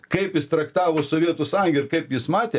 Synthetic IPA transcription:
kɐɪpjɪst̪ɾɐkt̪ɑːʋoːsoːʋʲiɛt̪ʊsɐŋɡʲɪɾkɐɪpjɪsmɑːt̪ʲeː

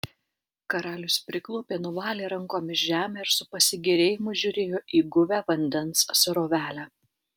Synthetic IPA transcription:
kɐɾɑːlʲʊspʲɾʲɪklˠoːpʲeːnʊʋɑːlʲeːɾɐŋkoːmʲɪʃʒʲæːmʲɛɪɾsʊpɐsʲɪɡʲɛɾʲeːjɪmʊʒʲʊɾʲeːjoːʔiːɡʊʋʲæːʋɐnʲd̪ʲɛnssʊɾoːʋʲæːlʲæː

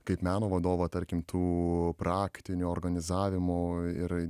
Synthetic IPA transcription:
kɐɪpmʲæːnoːʋɐd̪oːʋɐt̪ɐɾʲkʲɪmt̪ʰuːpɾɑːkt̪ʲɪnʲuoːɾɡɐnʲɪzɑːʋʲɪmʊɪɾ

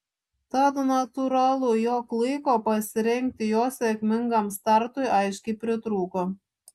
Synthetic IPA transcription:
t̪ɑd̪nɐt̪uɾɑlˠujoːklˠɐɪkoːpɐsʲɪɾʲɛŋʲk̚ʲt̪ʲɪjoːsʲɛkʲmʲɪŋɡɑmst̪ɑɾt̪ʊjʔɑɪʃʲkʲipʲɾʲɪt̪ɾuːko

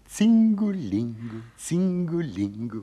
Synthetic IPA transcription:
t͡siŋɡuliŋɡut͡siŋɡuliŋɡu

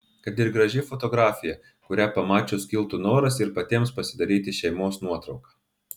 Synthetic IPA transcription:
kɐt̪ɪɾɡɾɐʒʲɪfɔt̪ɔɡɾɑːfʲɪjɛ | kʊɾʲæpɐmɑːt͡ʃʲoːskʲɪlˠt̪unoːɾɐsɪɾpɐt̪ʲiɛmspɐsʲɪd̪ɐɾʲiːt̪ʲɪʃʲɛɪmoːsnuɔt̪ɾɒʊkɑ̥ː

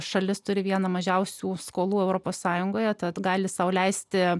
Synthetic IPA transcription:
ʃɐlʲɪst̪ʊɾʲɪʋʲiɛnɐmɐʒʲɛʊsʲuːskoːlˠuːɛʊɾoːpoːssɑːjʊŋɡoːjɛt̪ɐt̪ɡɑːlʲɪsɑʊlʲɛɪsʲt̪ʲɪ

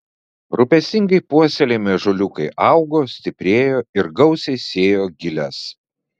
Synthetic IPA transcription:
ɾʊpʲɛsʲt̪ʲɪŋɡɐɪpuɔsʲɛlʲeːmʲɛʒʊlʲʊkɐɪʔɐʊɡoːsʲt̪ʲɪpʲɾʲeːjoːɪɾɡɐʊsʲɛɪsʲeːjoːɡʲɪlʲɛs

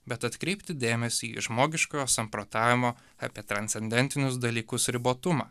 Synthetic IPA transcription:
bʲɛt̪ɐt̪kɾʲɛɪpʲt̪ʲɪd̪ʲeːmʲɛsʲiiʒmoːɡʲɪʃkojoːsɐmpɾoːt̪ɑːʋʲɪmoː | ɐ̰pʲiɛt̪ɾɐnʲt̪sʲɛnʲd̪ʲɛnʲt̪ʲɪnʲʊs̬d̪ɐlʲiːkʊsɾʲɪboːt̪ʊmɑː

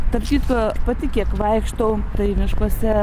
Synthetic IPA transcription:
t̪ɐpt̪ʲiːt̪opɐt̪ʲɪkʲiɛkʋɐɪkʃt̪oʊt̪ɐɪmʲɪʃkosʲɛ

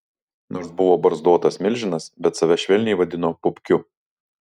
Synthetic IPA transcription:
noːɾsbʊʋoːbɐɾzd̪oɔt̪ɐsmʲɪlʲʒʲɪnɐsbʲɛt̪sɐʋʲɛʃʲʋʲɛlʲnʲɛɪʋɐd̪ʲɪnoːpʊpʲkʲʊ

